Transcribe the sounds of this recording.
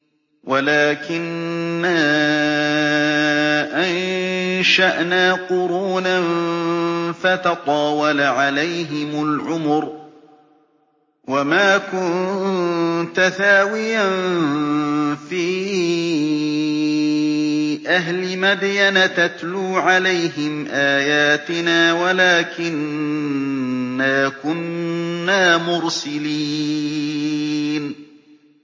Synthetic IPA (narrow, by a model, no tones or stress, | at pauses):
walaːkɪnːa | ʔanʃaʔnaːqʊɾuːnan | fat̪ɑt̪ˤɑːwɑlaʕalajɦɪmʊlʕʊmʊɾ | wamaːkʊn | t̪aθaːwɪjan | fiː | ʔaɦlɪmad̪janat̪at̪luːʕalajɦɪmʔaːjaːt̪ɪnaːwalaːkɪn | aːkʊnːaːmʊɾsaliː | n